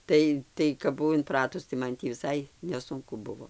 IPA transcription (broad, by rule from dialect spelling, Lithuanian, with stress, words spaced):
ˈtɐɪ tɐɪ kɐp bʊˈʋɐʊ ɪnˈprɑːtʊs tɐɪ ˈmɐn tʲiː ʋʲɪˈsɐɪ nʲɛˈsʊŋkʊ ˈbʊʋoː